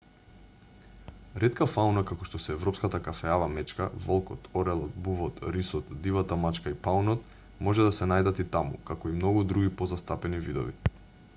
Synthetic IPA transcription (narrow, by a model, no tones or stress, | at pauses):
ɾɛt̪kafaunakakɔʃt̪ɔsɛːvɾɔpskat̪akafɛavamɛt͡ʃkavɔlˠkɔt̪ɔɾɛlˠɔt̪̚buvɔt̪ɾisɔt̪d̪ivat̪amat͡ʃkaipaunɔt̪̚ | mɔʒɛd̪asɛnajd̪at̪it̪amṵkakɔimnɔɡud̪ɾuɡʲipɔzast̪apɛnivid̪ɔ̰vḭ